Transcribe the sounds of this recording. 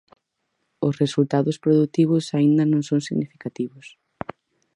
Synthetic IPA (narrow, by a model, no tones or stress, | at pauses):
ʊsresult̪aðʊspɾoðut̪iβ̞ʊsaind̪ɐnõŋsõŋsiɣnifikat̪iβʊs